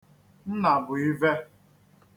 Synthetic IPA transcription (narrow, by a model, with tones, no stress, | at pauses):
n̩˦na˨bʊ˨i˦ve˦